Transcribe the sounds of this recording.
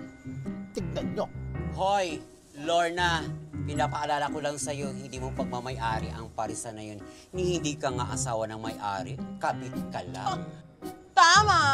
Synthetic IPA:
t̪ɪɡ̚d̪ɐdːohoj | loɹnɐpɪnaːpɐʔɐlaːlɐkolɐŋsɐjo̞hɪnd̪iːmopɐɡ̚mɐmɐjʔaːɾɪ̰ʔɐŋpɐɾɪsanɐjon | nɪhɪnd̪ikɐŋa̰ʔɐsaːwɐnɐŋmɐjʔa̰ːɾɪkabɪt̪̚kɐla̰ŋ | t̪aːma

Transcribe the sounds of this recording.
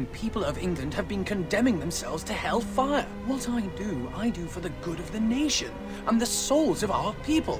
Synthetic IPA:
npʰipəl̩ˠʌvɪ̃ŋɡlɨ̃nd̚ɨvbɨ̃nkʰɨ̃ndɛ̃mɪ̃ŋðɨ̃m̩sɛ̰lˠvz̥tʰɨhɛlˠfaɪə˞wʌɾaɪdɨaɪdɨfə˞ðɨɡʊɾʌvðɨneɪʃɨ̰̃n | ʔə̃nðɨsoʊlˠzʌva̰ʊə˞pʰipl̩ˠ

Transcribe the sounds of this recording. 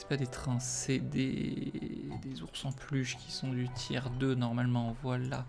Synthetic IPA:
ɛ̥pad̪et̪χɛ̃sɛd̪ḛ | d̪ezuʁsɑ̃plyʃkʲi̥sɔ̃d̪yt̪ʰjɛ̰ʁd̪ønɔʁmalmɑ̃vwala

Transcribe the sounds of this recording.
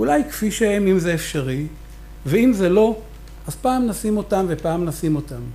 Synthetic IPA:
ulajkfiʃeemimzeefʃaʁi | veimze̞lo̞ | ʔazpaːmnasimo̞tamvepaːmnasimo̞tam

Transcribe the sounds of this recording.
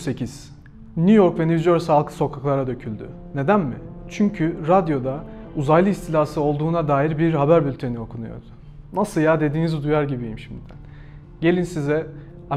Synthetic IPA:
se̞cʰiz̥ | nujo̞ɾkvenivizo̞ɾsalˠkʰɯ̥so̞kʰaklˠaɾad̪ø̞cʰylʲd̪y̰ | ne̞d̪ænmɪt͡ʃʰyɲcʰyɾad̪jo̞d̪auzajlˠɯist̪ʰilʲaːsɯo̞lˠd̪uːnad̪aːjiɾbiɾɦabæɾbylʲt̪ʰe̞nio̞kʰunujo̞̰ɾd̪̥ʊ | nasɯljad̪e̞d̪iːnizd̪ujaɾɟibijimʃimd̪æ̰n | ɟe̞lʲinsizɛ | a

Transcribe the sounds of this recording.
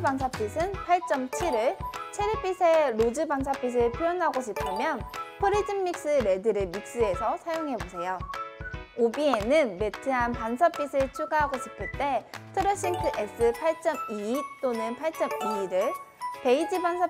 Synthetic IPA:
baŋsʰap͈ʰisʰɯnpʰaɭt͡ɕ͈ʌmt͡ɕʰiɾɯɭt͡ɕʰeɾip͈ʰisʰeɾod͡ʑɯbaŋs̬ʰap͈ʰis̬ʰɯɭpʰjojʌnɦaɡoɕʰipʰɯmjʌnpʰɯɾid͡ʑɯmːik̚s͈ɯɾe̞dɯɾɯmik̚s͈ɯe̞sʰʌsʰajoŋɦe̞bosʰe̞jo | obienɯnme̞tʰɯɦanpansʰʌp͈ːisʰɯɭt͡ɕʰuɡaɦaɡoɕʰipʰɯɭt͈e̞tʰɯɾʌɕ͈ʰiŋtʰɯʔes͈ʰɯpʰaɭt͡ɕ͈ʌmiːt͈onɯnpʰaɭt͡ɕ͈ʌmiɾɯɭpe̞id͡ʑibans̬ʰa

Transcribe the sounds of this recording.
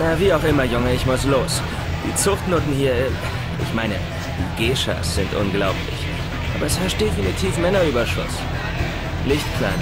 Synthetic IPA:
naviːaʊxʔɪmɐjʊŋəɪçmʊsloːs | d̥ḭːt͡sʊχtnoːtn̩hiːɐ | ʔɪ̰çmaɪnə | d̥iːɡeːʃa̰sz̥ɪntʔʊ̰nɡlaʊplɪ̰ç | ʔa̰ːbɐɛsfɛɐstd̥efinitʰiːfmɛnɐyːbɐʃʊ̰s | lɪçtkʰl̥a̰ɪn

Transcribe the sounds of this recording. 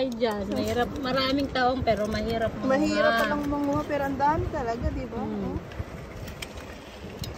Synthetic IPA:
jd͡ʒanmɐhiːɾɐp̚mɐɾaːmɪŋt̪aːʔoŋpɛːɾomɐhiːɾɐp̚mmɐɦiːɾɐpːɐlɐŋmɐŋʊhapɛɾɐnd̪aːmɪt̪ɐlɐɡad̪iba

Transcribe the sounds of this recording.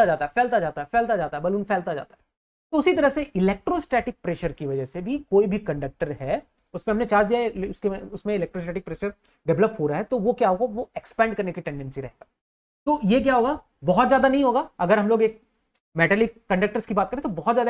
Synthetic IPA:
ad͡ʒaːt̪aɦɛfɛːlt̪ad͡ʒaːt̪aɦɛfɛːlt̪ad͡ʒaːt̪aɦɛbɐluːnfʰɛːlt̪ad͡ʒa̰ːt̪aɦɛ | t̪oʊsit̪ɐɾəɦseʔɪleːk̚ʈɾoːsʈɛːʈɪk̚pɾeːʃəɾkiʋɐd͡ʒəɦsebʱikoːibʱikɐ̃ɳɖək̚ʈəɾɦɛ | ʊsmẽɦɐmnet͡ʃaːd͡ʒd̪ijaʊskeʊsmẽɪlɛːk̚ʈɾos̬ʈɛːʈɪk̚pɾeːʃəɾ | ɖɛʋləpɦoːɾaɦɛt̪oʋokjaɦoːɡaʋoekspɛ̃ːɳɖ̚kɐɾnekiʈɛ̃ɳɖɛ̃nsiɾɐɦeɡaː | t̪oːjek̬jaːɦoːɡaː | bɔɦɔt̪zjaːd̪anɐɦĩɦoːɡaːɐɡəɾɦɐmloːɡeːk̚ | meːʈɛːlikkːɐ̃ɳɖək̚ʈəɾskibaːt̪kəɾẽt̪obɔɦɔt̪zjaːd̪

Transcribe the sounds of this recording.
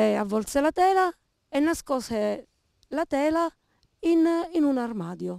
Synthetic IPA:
ɛavːɔlt̪selat̪ɛːla | ɛnːaskɔːse | lat̪ɛːla | ininunarmaːd̪jo

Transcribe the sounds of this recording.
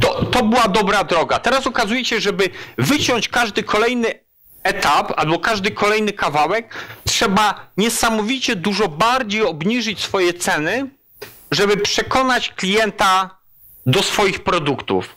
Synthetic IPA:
t̪ɔt̪ɔbɘwad̪ɔbɾad̪ɾɔɡat̪ɛɾasɔkazujɛɕɛʐɛbɘvɘt͡ɕɔɲt͡ɕkaʐd̪ɘkʰɔlɛjnɘ | ɛt̪apa̰lbɔkaʐd̪ɘkʰɔlɛjnɘkavawɛk̚tʂɛbaɲɛsamɔvʲit͡ɕɛd̪uʐɔbaɾd͡ʑejɔbɲiʐɘt͡ɕsfɔjɛt̪sɛnɘ | ʐɛbɘpʂɛkɔnat͡ɕklʲijɛnt̪a | d̪ɔsfɔjixpɾɔd̪ukt̪ṵf

